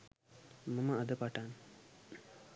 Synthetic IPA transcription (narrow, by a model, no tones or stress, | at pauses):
məməad̪əpaʈan